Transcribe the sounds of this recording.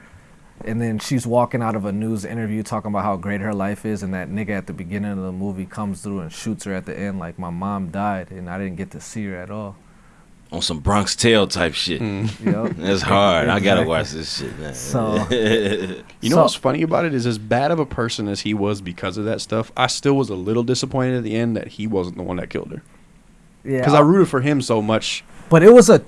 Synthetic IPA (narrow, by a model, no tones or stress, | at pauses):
ʔɨ̃nðɨ̃nʃizwɔkɪ̃ŋaʊɾʌvənuzɪ̰̃ɾ̃ə˞vjʉtʰɔkɪ̃ŋəbaʊt̚haʊɡɹeɪt̚hə˞laɪfɪzɨ̃nðɨtⁿnɪɡɨɨt̪̚ðɨbɨɡɪ̃nɪ̃ŋʌvðəmuvikʰʌ̃mz̥θɹuə̃nʃutshə˞ɨt̪̚ðḭʔɛ̃ndlaɪk̚maɪmɑ̃mdaɪdɨ̃naɪɾɪdⁿn̩ɡ̥ɛt̪ʰɨsiə˞ɨɾɔlˠ | ə̃n̩sʌ̃mbɹɑ̃ŋkstʰeɪlˠtʰaɪpʃɪt | æshɑɹdaɪɡɑɾəwɑʃðɪsʃɪ̰t̚ⁿnæ̰o | jɨ̰noʊwʌtsfʌñiɨbaʊɾɨɾɨzɨzbæɾʌvəpʰɜ˞sɨ̃nɨz̥iwʌzbɨkʰʌzʌvðɨtstʌfa̰ɪstɪlˠwʌzəlɪɾl̩ˠdɪsəpʰɔ̃ɪ̃ɾ̃ɨɾɨt̪̚ðiɛ̃nðɨ̰t̚hiwʌz̃n̩ðə̰wʌ̰̃nðɨ̰t̚kʰɪ̰lˠd̥̚ə̰˞ | jækʌzaɪɹʉɾɨd̥fə˞ɪ̃msoʊmʌt͡ʃb̥ʌɾɪt̚wʌzə